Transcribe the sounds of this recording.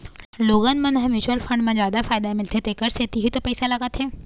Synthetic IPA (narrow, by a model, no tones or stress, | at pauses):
loːɡənmɐ̃nɦɐ̃mjuːt͡ʃwəlfɐ̃ɳɖmẽd͡ʒjaːd̪afaːɪd̪amɪlt̪ʰet̪ekəɾseːt̪iɦit̪opɛːsalɐɡat̪ʰɛː